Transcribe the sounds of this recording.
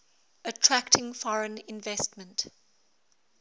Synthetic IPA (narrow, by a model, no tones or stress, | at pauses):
ətʰɹ̥æktʰɪ̃ŋfɔɹə̃nɪ̃nvɛstmə̃nt